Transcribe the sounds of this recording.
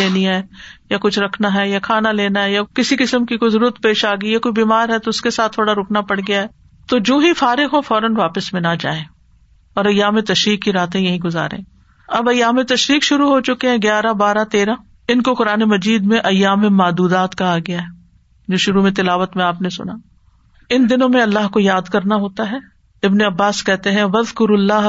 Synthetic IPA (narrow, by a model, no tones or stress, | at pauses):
eːniɛjakʊt͡ʃʰɾɐkʰnaɦɛjakʰaːnaleːnaɦɛjakɪsikɪsəmkikʊzʊɾuːət̪peːʃaːɡəijakoibiːmaːɾɦɛt̪oʊskesaːt̪ʰːoːɽaɾʊknapɐɽ̤ɡɪjaɦɛː | t̪od͡ʒõːɦifaːɾɪɣõfɔːɾənʋaːpəsmẽnad͡ʒa̰ːẽː | ɔːɾɐjːaːmẽt̪ɐʃɾiːkːiɾaːt̪ẽjɐɦĩɡʊza̰ːɾḛ̃ː | ɐbɐjːaːmẽt̪ɐʃɾiːkʃʊɾuɦot͡ʃʊkeɦɛ̃ɡjaːɾabaːɾat̪eːɾa | ɪnkoqʊɾaːnemɐd͡ʒiːd̪mẽʔɐjːaːmemaːd̪uːd̪aːt̪kɐɦaɡɪjaɦɛ | d͡ʒoːʃʊɾumẽt̪ɪlaːʋət̪mẽaːpnesʊ̰naː | ɪnd̪ɪnõmẽɐlːaɦkojaːd̪kɐɾnaɦoːt̪aɦɛː | ɪbneɐbːaːskɛɦt̪eɦɛ̃ʋɐðkʊɾlːaːɦ